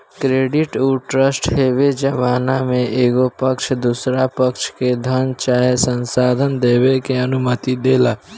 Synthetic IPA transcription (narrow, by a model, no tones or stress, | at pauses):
kɾeːɖɪʈuʈɾəsʈɦeːʋed͡ʒəʋaːnamẽʔeːɡopəkʃʰd̪uːsɾapəkʃked̪ʱənt͡ʃaːesə̃nsaːd̪ʱənd̪eːwekeənʊmət̪id̪eːlaː